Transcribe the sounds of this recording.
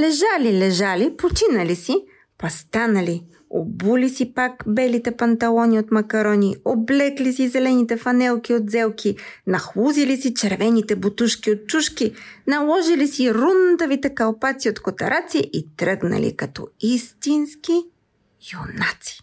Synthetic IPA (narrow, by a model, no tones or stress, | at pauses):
lɛʒalilɛʒalipot͡ʃinɐlisi | pɐst̪anɐli | o̰bulisipakbɛlit̪ɛpɐnt̪ɐlˠɔniot̪mɐkɐɾɔnioblɛklisizɛlɛnit̪ɛfɐnɛlˠk̟iod̪zɛlˠkʰʲinɐxluzilisit͡ʃɛɾvɛnit̪ɛbut̪uʃkʲiot̪̚t͡ʃuʃkinɐlˠɔʒilisiɾund̪əvit̪ɛkɐlˠpat̪siot̪kot̪ɐɾat̪siʔit̪ɾɤɡnɐ̰lḭkɐt̪ɔ̰ist̪inski | jonat̪si̥